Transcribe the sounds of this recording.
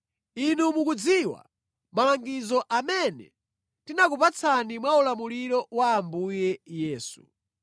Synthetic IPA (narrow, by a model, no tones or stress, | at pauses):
inumukud͡ziwa̰ | malaŋɡizɔʔamɛnɛ̰ | tinakupat͡sʰanimwaulamuliɾɔwaːmbujɛjɛːsu